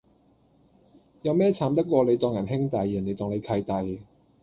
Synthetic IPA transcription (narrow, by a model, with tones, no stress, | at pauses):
jɐ˨˧wmɛː˥t͡sʰaː˨˥mt̪ɐ˥kːʷɔː˧le˨˧jt̪ɔː˨˩ŋjɐ˨˩nɦɪ˥ŋt̪ɐ˨jiː˨˩ne˨˧jt̪ɔː˨˧ŋne˨˧jk̪ʰɐ˧jt̪ɐ˨j